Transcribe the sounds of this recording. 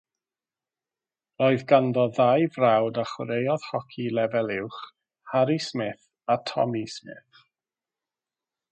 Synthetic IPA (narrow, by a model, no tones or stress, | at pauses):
roɨðɡandɔðajvrawdaχwəɾejɔð̥hɔkʰilɛvɛlˠɪwχ | haɾismɪθ | atʰɔ̰mismɪ̰θ